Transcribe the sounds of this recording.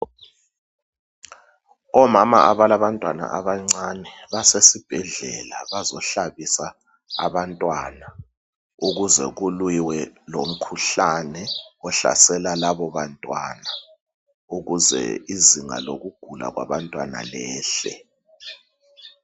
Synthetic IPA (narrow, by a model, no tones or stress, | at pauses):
ɔmama̰aβalaβantʼwana̰ʔaβaŋ͡ǀanɛβasesib̥ʱɛɮɛlaβazɔɬaβisaː | βantʼwana | uɣuzɛ̰ɣulwiwɛlom̩kʰuɬanɛɔɬa̰sɛlalaβɔβantʼwa̰na | uɣuzɛ̰iziŋa̰loɣuɡ̥ʱula̰ɣwa̰βantʼwana̰lɛːɬɛ̰